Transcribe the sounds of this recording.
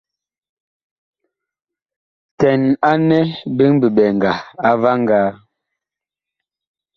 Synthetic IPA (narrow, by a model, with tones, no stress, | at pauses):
tɛ˨na˦nɛ˦bi˦ŋbi˨ɓɛ˨ŋ˨ɡa˨a˦va˦ŋ˦ɡaː˨˦